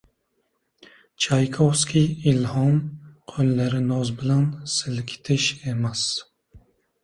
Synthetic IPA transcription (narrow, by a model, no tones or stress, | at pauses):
t͡ʃʰajkʰɔfskʲʰiilhɔmqʰølːæɾɪnɔzbɪlansɨlkʲʰi̥t̪ʰɪʃemæs